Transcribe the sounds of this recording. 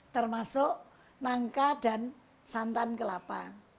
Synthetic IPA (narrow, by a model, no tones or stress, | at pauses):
t̪ərmasʊʔ | naŋkaɖ̥a̤n | sant̪ankəlapa